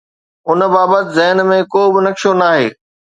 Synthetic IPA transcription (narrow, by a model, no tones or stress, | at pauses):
ʊn̆baːbət̪ɪzɛɦnmẽkoːbɪnɐkʃonaːɦeː